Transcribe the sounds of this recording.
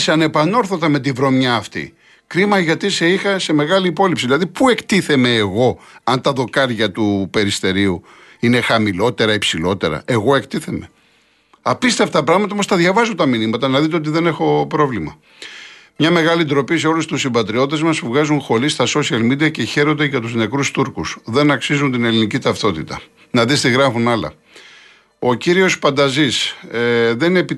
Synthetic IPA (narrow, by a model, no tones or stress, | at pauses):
seɐne̞pɐno̞ɾθot̪ɐme̞t̪̬ivɾo̞mɲɐːft̪ḭ | kɾimɐʝɐt̪ise̞ixɐse̞me̞ɣɐliːpo̞lipsiðilɐðipue̞kt̪iθe̞me̞ːɣo̞ɐnt̪ɐðo̞kɐɾʝɐt̪upe̞ɾist̪e̞ɾiu | ine̞xɐmilo̞t̪e̞ɾɐipsilo̞t̪e̞̰ɾɐ̰ʔe̞ɣo̞e̞kt̪iθe̞me̞ | ɐpist̪eft̪t̪ɐpɾɐɣmɐtt̪ɐomost̪ɐðʝɐvɐzut̪ɐminimɐt̪ɐnɐðit̪̬eot̪iðe̞ne̞xo̞pɾo̞vlimɐ | mɲɐme̞ɣɐlind̪ɾo̞pise̞o̞lust̪usimbɐt̪ɾiot̪it̪e̞zmɐsuvɣɐzunxo̞ɾist̪ɐso̞siɐlmid̪iɐce̞çe̞ɾo̞nd̪eʝɐt̪uzne̞kɾust̪uɾkusðe̞nɐksizunt̪ine̞linicit̪ɐft̪o̞t̪it̪ɐ | nɐðist̪iɣɾɐfunɐlɐ̰ | o̞ciɾio̞spɐnd̪ɐzis | ðe̞ninepi